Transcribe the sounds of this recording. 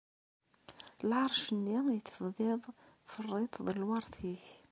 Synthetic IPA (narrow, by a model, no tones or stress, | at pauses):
lʕɑɾˤʃənːijət͡s̪ːfðˤɪðˤ | frˤːɪt̪ˤðəllwɑɾˤθiç